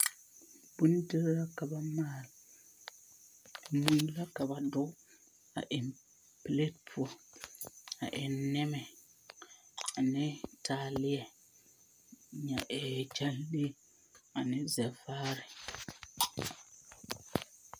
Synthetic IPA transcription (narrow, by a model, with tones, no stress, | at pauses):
bʊ˦n˦dɪ˦ɾla˦ka˨ba˦maː˦˨l | mu˦la˦ka˨ba˨dʊ˦ | a̰˨ʔɪ˨m | ple˦t̚pʰʊ˨ | a̰˨ʔɪ˨nːɪ˦mɛ˨ | a˨nɪ˦tʰa˨lɪ˦ɛ˨ | ɲa˨ʔɛ˨t͡ʃa˦lle˦ | a˨nɪ˦zɛ˨faː˦ɾɪ˨